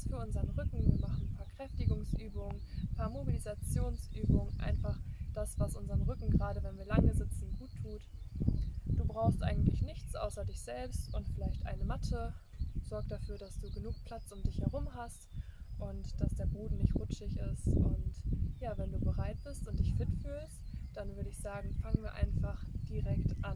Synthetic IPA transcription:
sfyːɐʔʊnzɐənʁʏkŋ̩viːɐmaχn̩pʰaːɐkʁ̥ɛftɪɡʊŋsʔyːbʊŋənpʰaːɐmobilizat͡sjoːnsʔyːbʊŋəʔa̰ɪnfaχd̥asv̥asʔʊnzɐʁənʁʏkŋ̩ɡʁaːɾəvɛnviːɐlaŋəzɪt͡sn̩ɡ̥uːtʰːuːt | d̥uːbʁaʊxstʔa̰ɪɡŋ̩tlɪçnɪçt͡sʔa̰ʊsɐdɪçz̥ɛlpstʊntfɪlaɪçtʔa̰ɪnəmatʰə | z̥ɔɐk̚d̥afyːɐɾasd̥uːɡənuːk̚pʰl̥at͡sʔʊmdɪçhɛʁ̞ʊmɦastʔʊntd̥asd̥eːɐboːdn̩nɪçtʁʊt͡ʃɪçɪstʊntjaːvɛnduːbəʁaɪt̚b̥ɪstʊnt̚d̥ɪçfɪtfyːlstd̥anvʏɐɾəɪçz̥aːɡŋ̩faŋənviːɐʔa̰ɪnfaχd̥iʁɛktʔan

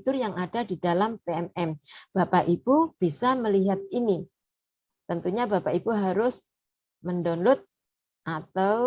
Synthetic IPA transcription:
t̪ʊrjaŋadadidalampeɛmɛmb̥apaʔib̥ub̥isaməliɦat̪̚ini | t̪ənt̪uɲabapaibuɦaɾʊs | məndonlʊt̪̚ | ʔat̪aw

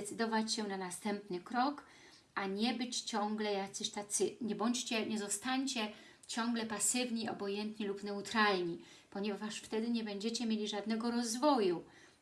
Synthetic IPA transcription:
ɛt̪sɘd̪ɔvat͡ɕɕɛnanast̪ɛmpnɘkɾɔk | ʔaɲɛbɘt͡ɕt͡ɕɔŋɡlɛjakt̪sɛɕt̪at̪sɘɲɛbɔɲt͡ɕt͡ɕɛɲɛzɔst̪aɲt͡ɕɛ | t͡ɕɔ̃ŋɡlɛpasɘvɲiɔ̰bɔjɛnt̪ɲilupnɛut̪ɾalɲi | pɔɲɛvaʂft̪ɛd̪ɘɲɛbɛɲd͡ʑɛt͡ɕɛmʲjelʲiʐad̪nɛɡɔɾɔzvɔju

